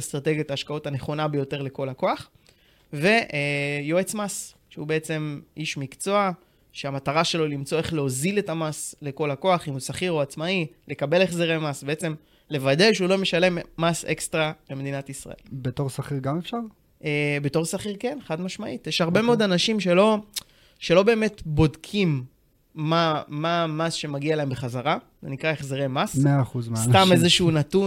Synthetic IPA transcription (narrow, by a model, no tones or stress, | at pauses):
st̪ʁateɡjataːʃkaotane̞χo̞nabejo̞te̞ʁle̞ko̞lako̞aχ | ve̞ʔjo̞et͡smas | ʃeubeet͡se̞mʔiʃmikt͡so̞a | ʃeamataʁaʃe̞lo̞limt͡so̞e̞χleozile̞tamasle̞ko̞lako̞aχimusaχiʁoat͡smaile̞kabe̞leχzeʁemasbe̞et͡se̞m | le̞vade̞ʃeulo̞me̞ʃale̞mːasḛkst̪ʁabemed̪inatisʁa̰ʔe̞̰lbeto̞ʁsaχiʁɡamefʃaʁ | ʔebe̞to̞ʁsaχiʁkeneχadmaʃmaʔitjeʃhaʁbe̞meod̪anaʃimʃe̞lo̞ | ʃe̞lobe̞ːmetbo̞dkʰimː | amamasʃe̞maɡialaembeχazaʁa | zenikʁaeχzeʁejmasmeaːχuzmeast̪amezeʃunatu